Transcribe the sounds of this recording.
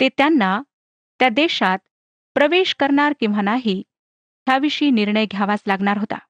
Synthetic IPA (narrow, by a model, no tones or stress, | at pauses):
t̪et̪janːa | t̪jad̪eɕat̪̚ | pɾəʋeɕkəɾɳaɾkĩw̃ʋanaɦiː | ɦjaʋiɕiːniɾɳəjɡʱjaʋat͡slaɡɳ̃aɾɦot̪a̰